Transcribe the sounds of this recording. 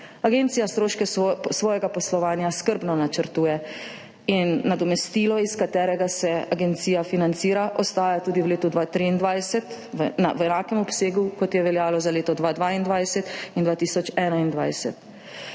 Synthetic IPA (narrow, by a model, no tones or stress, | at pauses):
aɡent̪sijast̪ɾoːʃkɛsʋɔːjɛɡapɔslɔʋaːnjaskəɾbnɔnat͡ʃəɾt̪uːjɛ | inːad̪ɔmɛst̪iːlɔiskat̪ɛːɾɛɡasɛaɡɛnt̪siːjafinant̪siːɾaʔɔst̪aːjat̪uːd̪iwleːt̪ud̪ʋaːt̪ɾiːnd̪ʋajsɛt̪ʋna̰ʋɛnaːkɛmɔpseːɡukɔt̪jɛʋɛljaːlɔzaleːt̪ɔd̪ʋaːd̪ʋaːind̪ʋajsɛt̪ind̪ʋaːt̪iːsɔt͡ʃɛnaind̪ʋajsɛt̪